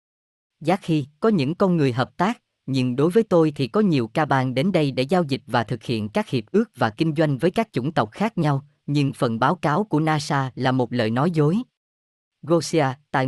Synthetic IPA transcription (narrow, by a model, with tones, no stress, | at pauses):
zaː˦˥k̚xi˧kɔ˨˦ɲɨ̰˧˥ŋkɔ˧nŋɨ˨˩əjɦəː˨˩p̚t̪aː˦˥k̚ | ɲɨ˧ŋɗo˨˦jvəː˨˦jt̪o˧jt̪ʰi˨˩kɔ˨˦ɲi˨˩əwkaː˧ɓaː˧nɗe˨˦nɗə˧jɗḛ˧˩zaː˧wzï˨˩k̟̚vaː˨˩t̪ʰɨ˨˩k̚hḭ˧˨ənkaː˦˥k̚hi˨˩əp̚ʔɨ˦˥ək̚vaː˨˩kï˧ŋ̟zwa˧jŋ̟vəː˨˦jkaː˦˥k̚t͡ɕʊ̰˧˩ŋ͡mt̪ə˨˩wk͡p̚xaː˦˥k̚ɲa˧w | ɲɨ˧ŋfə̰˨˩nɓaː˨˦wkaː˨˦wku˧˩ənaː˧saː˧laː˨˩mo˨˩t̚lə̰ː˧˨jnɔ˨˦jzo˨˦j | ɣo˧si˧aː˧t̪a̰ː˧˨